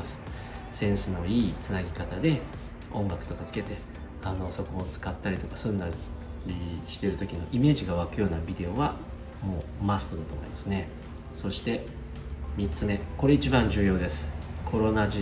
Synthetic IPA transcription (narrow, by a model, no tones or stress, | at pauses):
asɨ̥ | sẽ̞ɰ̃sɨno̞iːt͡sɨnaɡʲikat̪ad̪e̞ | õ̞ŋɡakɯ̥t̪o̞kat͡sɨ̥ke̞t̪e̞ | ano̞so̞koːt͡sɨ̥kat̪ːaɾʲit̪o̞kḁsɨ̃nd̪aɾʲiɕi̥t̪e̞ɾɯt̪o̞kʲino̞̰ʔime̞ːʑiɡaβ̞akɯ̟jo̞ːnabʲid̪e̞o̞βa | mo̞ːmasɨ̥t̪o̞d̪at̪oːmoḭmasɨne̞ | so̞ɕi̥t̪e̞ | mʲitt͡sɨme̞ko̞ɾe̞it͡ɕibãɲ̟d͡ʑɨːjo̞ːd̪esɨ̥kʰo̞ɾo̞naʑi